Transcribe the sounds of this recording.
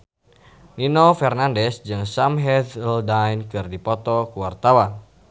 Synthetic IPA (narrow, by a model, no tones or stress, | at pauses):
ninɔfɛrnandɛsd͡ʒɨŋsamɦɛd̪ldajnkɨrdipɔt̪ɔkuwart̪awan